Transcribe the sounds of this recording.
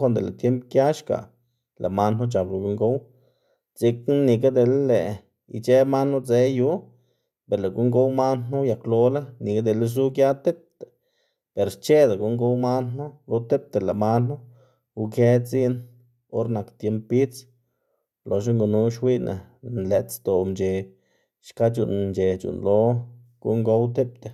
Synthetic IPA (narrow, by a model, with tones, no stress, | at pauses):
kʷa˧˦nd̪e˨lḛ˨t̪je˦mpkja˦ʃka̰˨ | lʔa̰˨ma˧no˦t͡ʃa˨bla˨ɡu˧˦ŋɡo˦w | t͡si˧kni˧ɡa˦d̪e˧lle˨ | ḭ˧t͡ʃe˦ma˦no˦d͡ze˦ju˦ | be˨ɾle˨ɡu˦ŋɡo˦wma˦nːu˦ja˨klo˧la˦ni˨ɡa˦d̪e˨ls̬u˦ɡja˦t̪e˦p̚t̪e˨ | pe˨ɾt͡ʃe˦d̪a˨ɡu˧˦ŋɡo˧wma˦nu˦lo˧t̪e˦p̚t̪e˨la˨ma˦nːu˦ | u˧ke˦t͡si˦n | o˦ɾna˨kt̪je˧˦mpi˦t͡s | lo˨ʃ̬a˦ŋɡu˧nu˧˦ʃwi˦nʔḛ˨nle˨t̪st̪o˨mt͡ʃe˨ | ʃka˦t͡ʃṵ˨nnt͡ʃe˨t͡ʃṵ˨nlo˧˦ | ɡ̥ṵ˦ŋɡo˧˦wt̪e˦p̚t̪e˨